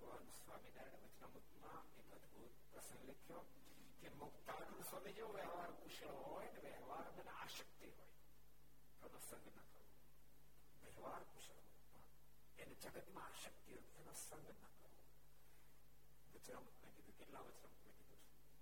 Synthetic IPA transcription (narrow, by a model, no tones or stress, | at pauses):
ʋanũsʋaːmidaɾeɽeʋət͡ʃnamut̪mã | eəd̪buːt̪pɾəsə̃ŋɡlekʰjo | kemʊkt̪aʈ̪nũsʋəmed͡ʒeoʋeɦʋaɾkuʃɭɦojneʋeɦʋaɾmɐneaʃəkt̪iɦoj | t̪onosə̃ŋɡnɐkəʋo | ʋeɦʋaɾkuʃɭɦo | ma | ened͡ʒəɡət̪mãaʃək̚t̪iɦoɛnosə̃ŋɡnɐkəo | ʋɐt͡ʃnəmnəkid̪ukeʈlaʋət͡ʃnəmut̪nɐ̃ɡid̪ut͡ʃʰu